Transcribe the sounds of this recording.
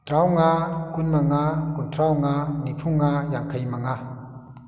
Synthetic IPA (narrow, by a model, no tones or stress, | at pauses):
t̪ɾawŋakunmaŋakunt̪ʰɾawŋanipʰuŋajaŋkʰajmaŋa